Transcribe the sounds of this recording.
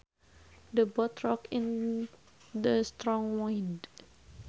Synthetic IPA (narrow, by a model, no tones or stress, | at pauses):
dəbɔt̪ɹɔkɪ̃n | dəst̪ɾɔ̃ŋwajnd